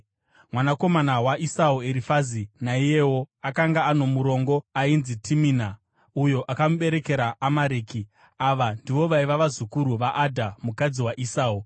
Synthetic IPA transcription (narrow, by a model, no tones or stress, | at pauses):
mwanako̞manawaʔisaueɾifazinaije̞wo̞akaŋɡaːno̞muɾo̞ŋɡo̞ainzitʰimina | ujo̞ʔakamuɓe̞ɾe̞ke̞ɾaːmaɾeːki | aʋandiʋo̞ʋaiʋaʋazukuɾuʋaʔadʱamukad͡ziwaʔisaːu